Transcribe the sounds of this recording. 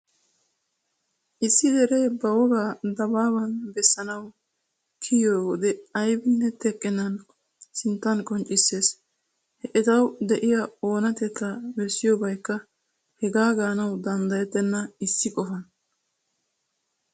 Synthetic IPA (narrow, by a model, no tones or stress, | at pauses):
ʔɪsːɪd̪ɛɾeːbɐwɔɡaːd̪ɐbaːbɐnbɛsːɐnɐw | kʰɪjoːwɔd̪ɛɐjbɪnːɛt̪ɛkʼːɪnɐn | sɪnt̪ːɐnkʼɔnt͡ʃʼɪsːe̞ːs | hɛʔɛt̪ɐwd̪ɛʔɪjɐo̞ːnɐt̪ɛt̪ːɐbɛsːɪjobɐjkːɐ | hɛɡaːɡaːnɐwd̪ɐnd̪ɐjɛt̪ːɛnːɐɪsːɪkʼɔfɐn